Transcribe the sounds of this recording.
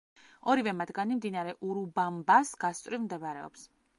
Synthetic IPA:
ɔɾivɛmat̪ɡanimd̪inaɾɛʔuɾubambasɡ̥ast̪ʼɾivmd̪ɛvaɾɛɔ̰ps

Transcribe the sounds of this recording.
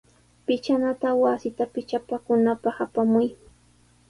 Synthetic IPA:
pɪt͡ʃanat̪awasɪt̪apɪt͡ʃapakʊnapɑχapamʊj

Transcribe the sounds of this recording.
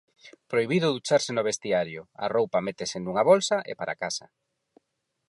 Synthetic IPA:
pɾojβiðʊðut͡ʃaɾsɪnʊβ̞est̪iaɾjʊa̰rowpɐmet̪esenuŋɐβolsɐʔḛpaɾa̰kasɐ

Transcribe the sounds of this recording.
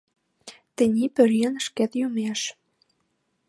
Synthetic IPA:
t̪ɘ̆nʲipɘ̆ɾiənəʃket̪jumeʃ

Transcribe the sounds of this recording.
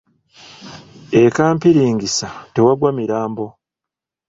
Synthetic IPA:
ekaːmpiɾiːŋɡisate̞waɡwamiɾaːmbo̞

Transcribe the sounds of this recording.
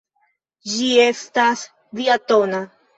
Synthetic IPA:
d͡ʒie̞stas | diatona

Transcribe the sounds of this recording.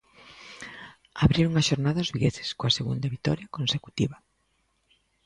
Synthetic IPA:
aβɾiɾuŋaʃoɾnaðaʊzβiɣeθɪ̥skoaseɣṵnd̪ɐβit̪ɔ̰ɾjɐkonseku̥t̪iβɐ

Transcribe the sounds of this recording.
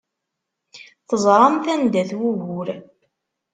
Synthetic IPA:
θəzˤɾˤɑnθænd̪æθwuʝʊɾ

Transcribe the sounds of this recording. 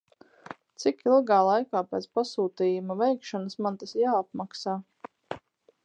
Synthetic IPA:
t̪sikilˠɡaːlˠajkaːpɛːt̪spasuːt̪iːjumɐvɛjkʃɔnasmant̪asjaːap̚maksaː

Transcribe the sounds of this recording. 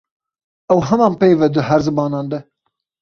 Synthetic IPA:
ɛwɦɛmɑːnpeːvɛd̪ɨɦæɾzɨmɑːnɑːnd̪ɛ

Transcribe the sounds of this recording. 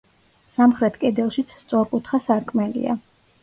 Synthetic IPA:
samχɾɛt̪ʰkʼɛd̪ɛlˠʃit̪sʰst̪sʼɔɾkʼut̪ʰχasaɾkʰʼmɛlḭa̰

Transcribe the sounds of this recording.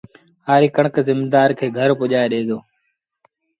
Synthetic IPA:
aːɾiːkəɳəkzɪmd̪aːɾkʰeːɡʱəɾpʊʄaːeːɗeːd̪oː

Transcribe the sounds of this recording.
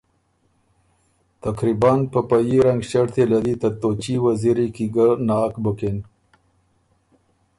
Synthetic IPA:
t̪akɾibɑnpəpajiɾaŋɡɕaɽt̪ʰelad̪it̪at̪ot͡ʃiwaziɾikiɡanɑkbəken

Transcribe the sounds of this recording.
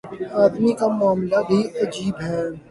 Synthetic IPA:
aːd̪mikamʊaːmlabʱiʔɐd͡ʒiːbɦɛ

